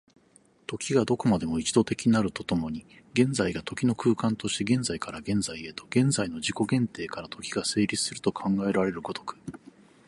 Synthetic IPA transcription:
t̪o̞kʲiɡad̪o̞ko̞mad̪e̞mo̞it͡ɕid̪o̞t̪e̞kʲiɲinaɾɯ̟t̪o̞t̪o̞mo̞ɲ̟i | ɡẽ̞nzaiɡat̪o̞kʲino̞kɯ̟ːkãnt̪o̞ɕi̥t̪e̞ɡẽ̞nd͡zaikaɾaɡẽ̞nzaie̞t̪o̞ɡ̥ẽ̞nzaino̞d͡ʑiko̞ɡẽ̞nt̪e̞ːkaɾat̪ʰo̞kʲiɡase̞ːɾʲit͡sɨ̥sɨɾɯ̟̥t̪o̞kʰãŋɡae̞ɾaɾe̞ɾɯ̟ɡo̞d̪o̞kɯ̥

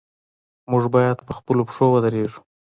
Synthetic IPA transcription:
mʊʐbɑjad̪pəxpəlopʂowəd̪əɾeʐu̥

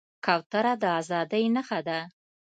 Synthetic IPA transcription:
kɑwt̪aɾad̪əazɑd̪əjnəxad̪a

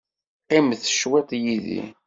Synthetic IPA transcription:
qɪmθə̥ʃwet̪ˤjiðḭ

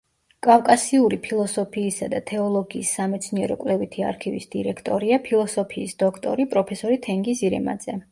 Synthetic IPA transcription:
kʼafkʼasiuɾipʰilˠɔsɔpʰiːsad̪at̪ʰɛɔlˠɔɡiːsːamɛt̪sʰniɛɾɔ̰kʼvlɛvit̪ʰia̰ɾkʰivḭsd̪̥iɾɛkʰt̪ʼɔ̰ɾiapʰilˠɔsɔpʰiːsd̪ɔkʰt̪ʼɔ̰ɾipʼɾɔpʰɛsɔɾit̪ʰɛŋɡisiɾɛ̰ma̰d̪z̥ɛ

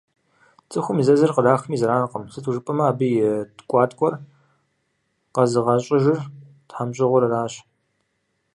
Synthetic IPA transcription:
t͡sʼɨxʷʊmizɐzɐrqədaːxmiːzɐɾaːnɨqəmsɨtʰuʒɨpʼɐmɐaːbɨjɪtkʷʼɑːtʼkʷʼɔr | qɐzɨʁɐɕʼɪʒɪr | tħamɕʼɪʁʷʊɾɐraːɕ

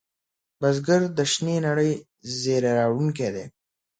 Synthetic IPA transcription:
bazɡəɾd̪əʃnenaɽəj | zeɾeɾɑwɽunk̬ed̪e

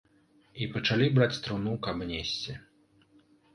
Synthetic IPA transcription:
ipɐt͡ʂalʲibɾat͡sʲt̪ɾunukabnʲesʲt͡sʲi

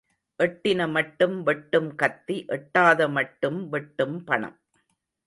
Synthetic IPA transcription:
ʔɛʈːɪnɐmɐʈːɯmʋɛʈːɯmkɐt̪ːiʔɛʈːaːðɐmɐʈːɯmʋɛʈːɯmpɐɳɐ̰m

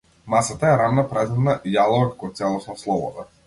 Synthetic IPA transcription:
masat̪aɛɾanːapɾazɛd̪naʔjalˠɔvakakɔt̪sɛlˠɔsnɔslˠɔbɔ̰d̪a

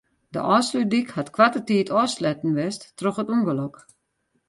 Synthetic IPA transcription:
də̰ʔɔːslydikhatkʰwatətiːtʰɔslɛtn̩ʋɛstːroxətuŋɡəlɔk

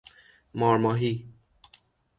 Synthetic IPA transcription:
mɒːɾmɒːɦiː

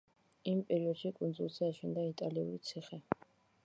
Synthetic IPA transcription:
impʼɛɾiɔd̪̥ʃikʼund̪zulˠzɛaʃɛnd̪ait̪ʼaliṵɾit̪sʰiχɛ

